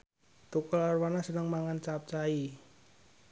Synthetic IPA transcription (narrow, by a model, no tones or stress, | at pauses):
t̪ukɔlarwanasənəŋmaŋant͡ʃap̚t͡ʃai